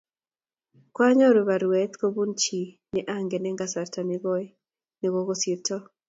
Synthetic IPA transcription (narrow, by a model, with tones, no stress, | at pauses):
kwa˦ɲɔ˦ɾu˨βa˨ɾwɛ˨˦t̪ko˦bu˦nt͡ʃi˨ | nɪʔa˦ŋɡɛ˨nɛ˦ŋɡa˦sa˨rta˨nɪɡɔ˦ | nɪ˨ɡo˦ɡo˦si˦tɔ˦